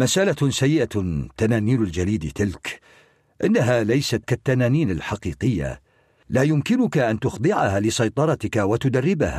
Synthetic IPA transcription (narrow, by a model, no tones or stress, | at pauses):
masʔalasajːɪʔat̪ːanaːniːnald͡ʒaliːd̪t̪ɪlk | ʔɪnːaɦaːlajsat̪kat̪ːanaːniːnɪlħɑqiːqɪjːa̰ | laːjʊmkɪnʊkaʔant̪ʊxd̪ˤɪʕahaːlɪsɑjt̪ˤɑɾˤɑt̪ɪkawat̪ʊd̪arːɪbaha̰